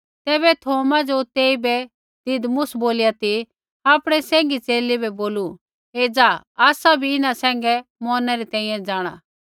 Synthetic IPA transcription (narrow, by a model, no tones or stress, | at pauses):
t̪ɛːβɛt̪ʰoːmad͡ʒot̪eːibɛ | d̪̥ɪd̪mʊsboːlɪjat̪i | aːpɽ̃ɛsɛ̃ːŋɡit͡seːlibɛboːlu | ed͡zaː | aːsabʱiɪnãsɛ̃ːŋ̆ɡɛmɔːnaɾit̪ɛ̃ːĩjɛ̃d͡ʒaːɽ̃a̰ː